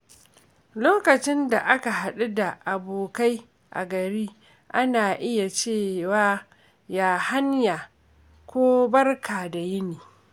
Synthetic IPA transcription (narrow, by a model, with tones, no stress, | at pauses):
loː˦kɐ˨t͡ʃɪ˦nda˨ʔa˦ka˨ɦa˨ɗu˦da˨ʔa˨boː˨ka˦j | ʔa̰˨ɡɐ˨ɾiː˦ | ʔa˦naː˨ʔɪ˦ja˨t͡ʃeː˦˨waː˦ | jaː˦ha˦ɲjaː˨ | kʷoː˦bɐ˦rkʰaː˨da˨jɪ˦niː˨